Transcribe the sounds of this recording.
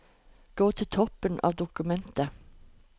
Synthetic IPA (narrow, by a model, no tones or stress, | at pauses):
ɡ̥oːt̪ʰɪt̪ʰɔpənʔɑ̰ːʋd̪ʊkʉmɛnt̪ə